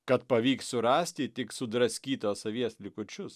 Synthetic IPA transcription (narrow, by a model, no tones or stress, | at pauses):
kɐt̪pɐʋʲiːkssʊɾɑːsʲt̪ʲɪt̪ʲɪksʊd̪ɾɐsʲkʲiːt̪oːsɐʋʲiɛslʲɪkʊt͡ʃʲʊs